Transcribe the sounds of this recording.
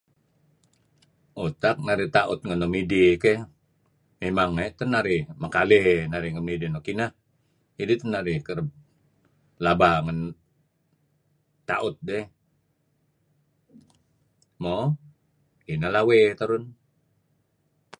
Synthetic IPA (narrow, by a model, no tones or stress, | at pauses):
ut̪ak̚naɾit̪aʔʊt̪̚ŋənomidike | memaŋːajt̪ənaɾɪmakalɛhnaɾɪŋəmidinokinah | idit̪ənaɾɪkəɾəb̚ | labaŋən | t̪ːaʔʊt̪̚dɛ | mo | kinahlawet̪əɾʊn